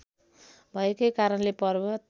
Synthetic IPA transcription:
bʱʌekʌjkaɾʌnlepʌrbʌt̪

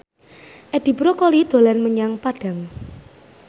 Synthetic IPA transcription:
ʔɛd̥i̤bɾokɔlid̪̥o̤lanməɲaŋpaɖ̥ä̤ŋ

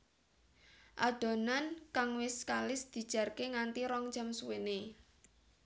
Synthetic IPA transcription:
ʔad̪̥o̤nankaŋwɪskalɪsd̪̥i̤̥ʒ̥a̤rkeŋant̪iɾɔŋ̥d͡ʒəmsuwene

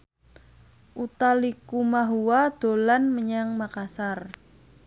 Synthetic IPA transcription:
ʔut̪alikumaɦuwad̪̥o̤lanməɲaŋmakasar

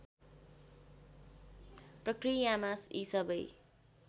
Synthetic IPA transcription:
prʌkrijamasisʌbʌj

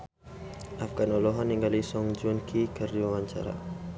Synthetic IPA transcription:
afɡanɔlɔɦaniŋɡalisɔŋd͡ʒunkʰikərdiwawaɲt͡ʃa̰ɾa̰

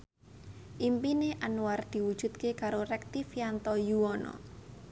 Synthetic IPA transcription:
ʔimpineʔanuward̪̥i̤wud̥ʒ̥ṳt̪kekaɾorɛk̚t̪ifjant̪ɔjuwɔnɔ̰

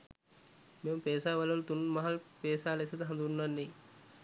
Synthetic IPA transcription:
mempeːsaːʋɐlɐʋɐlt̪unmɐɦɐlpeːsaːlesɐt̪ɐɦɐnd̪uunːɐnːi

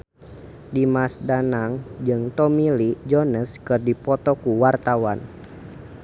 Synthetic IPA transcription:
dimasdanaŋd͡ʒɨŋt̪ɔmilid͡ʒɔnəskɨrdipɔt̪ɔkuwart̪awan

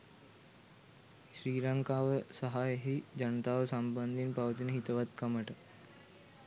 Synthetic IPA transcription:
ʃɾiːɾɐŋkaːʋəsɐɦajəɦid͡ʑɐnt̪aːʋɐsɐmbɐnd̪ʱinpɐʋt̪inəɦit̪ɐʋat̪kɐməʈə

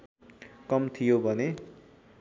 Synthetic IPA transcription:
kʌmt̪ʰijobʱʌne

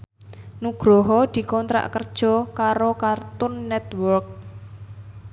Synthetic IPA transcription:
nuɡ̥ɾɔɦɔd̪̥i̤kɔnt̪ɾa̰ʔkərd̥ʒ̥ɔ̤kaɾokart̪ʊnːɛt̪wɔrk̚

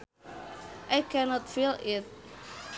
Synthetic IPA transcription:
ʔajkʰɛnɔtfilɪt̚

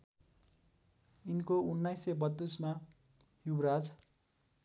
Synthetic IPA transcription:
inkounːajsebʌt̪ːusma | hubrad͡z

